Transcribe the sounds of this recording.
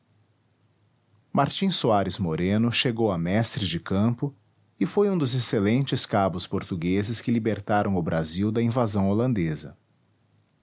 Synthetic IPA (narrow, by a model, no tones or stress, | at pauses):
maɾt͡ʃĩsoaɾɪzmoɾẽnʊʃeɡowɐmɛst̪ɾɪd͡ʒɪkɐ̃mpʊ | ɪfojũd̪ʊzeselẽnt͡ʃɪskabʊspoɾt̪uɡezɪskɪlibeɾt̪aɾɐ̃w̃ʊbɾʔaziwd̪ɐĩvazɐ̃w̃olɐ̃nd̪ezɐ̰